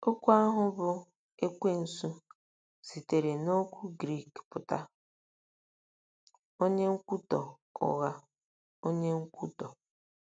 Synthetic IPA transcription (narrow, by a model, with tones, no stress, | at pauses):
o˦kʷu˦a˦ɦʊ˦bʊ˦ | e˦kʷe˦n̩˨su˦ | si˨te˨ɾe˨no˦kʷu˦ɡɾi˦˨kpʊ˨ta̰˦ | o˦ɲe˦ŋ̩˦kʷu˦tɔ˨ | ɔ̰˨ɣa˦ | o˦ɲe˦ŋ̩˦kʷu˦tɔ˨